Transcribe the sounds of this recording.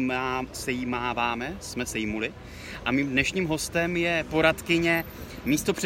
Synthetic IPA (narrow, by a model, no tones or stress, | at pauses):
masɛjimaːvaːmɛsmɛsɛjmulɪ | ʔamiːmdnɛʃɲiːmɦo̞st̪ɛmjɛpo̞ɾat̪kɪɲɛ | miːst̪o̞pr̥ɛ